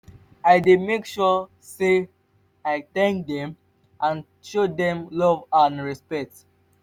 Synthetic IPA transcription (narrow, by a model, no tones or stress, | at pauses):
aɪdemekʃɔ | se | aɪtɛ̃ŋk̚dɛ̃m | ʔãn | ʃodɛ̃mlɔvãnɹɛspɛk̚t